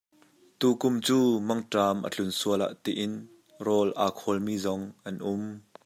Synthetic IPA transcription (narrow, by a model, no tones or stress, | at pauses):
t̪uːkʊmt͡suːmɐŋʈaːmʔə̰t͡ɬʊnsuəla̰ʔt̪iʔɪn | rɔːlʔaːkʰɔlmiːzɔŋʔɐnʔʊm